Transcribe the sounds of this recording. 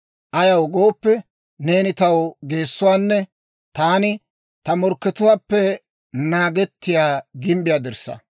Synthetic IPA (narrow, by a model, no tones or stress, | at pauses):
ʔɐjɐwɡo̞ːpːɛ | ne̞ːnɪt̪ɐwɡe̞ːsːʊwaːnːɛ | t̪aːnɪ | t̪ɐmɔɾkːɛt̪ʊwaːpːɛ | naːɡɛt̪ːɪjaːɡɪmbɪjaːd̪ɛɾsːɐ̰